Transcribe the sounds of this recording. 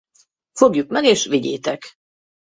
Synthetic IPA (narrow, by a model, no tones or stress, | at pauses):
fo̞ɡjukmɛɡeːʃʋiɟḛːt̪ɛk